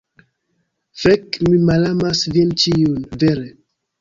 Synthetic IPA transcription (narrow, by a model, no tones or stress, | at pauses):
fekmimalamasvint͡ʃiunveɾe